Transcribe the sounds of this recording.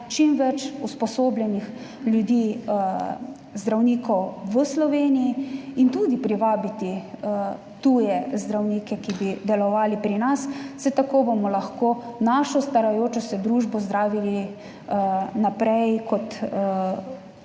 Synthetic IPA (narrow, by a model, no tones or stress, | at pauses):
t͡ʃimʋɛt͡ʃuspɔsoːbljɛnix | ljud̪iː | zd̪ɾawniːkɔwʋəslɔʋeːnijiint̪uːd̪ipɾiʋaːbit̪i | t̪ujɛzd̪ɾawniːkɛkibid̪ɛlɔʋaːlipɾinassɛt̪akoːbomɔlaxkonaʃɔst̪aɾajoːt͡ʃɔsɛd̪ɾuʒbɔzd̪ɾaːʋili | napɾɛjkɔt̪